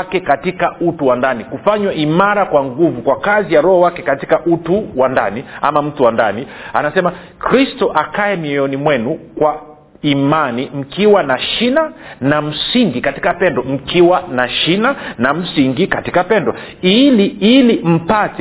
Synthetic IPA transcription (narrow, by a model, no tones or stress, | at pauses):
kɛkatikautuwandanikufaɲwaʔimaɾakwaŋɡuvukwakazijaɾɔhɔwakɛkati̥kaʔutuwanda̰nia̰mam̩tuwandania̰nasɛma | kɾistɔʔakaɛmiɛɔnimwɛnukwa | imanim̩kiwanaʃinanam̩siŋɡikati̥kapɛndɔm̩kiwanaʃinanam̩siŋɡikati̥kapɛndɔ | iliilim̩patɛ